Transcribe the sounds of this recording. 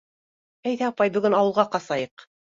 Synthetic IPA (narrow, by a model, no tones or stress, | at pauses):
æjðæɑpɑjbɵ̆ɡɵnɑwɤ̆lˠʁɑqɑsɑjɤq